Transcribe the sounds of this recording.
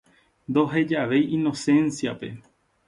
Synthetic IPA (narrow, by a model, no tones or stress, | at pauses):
nd̪o̞ɦe̞d͡ʒaʋe̞jĩno̞sẽ̞nsiape̞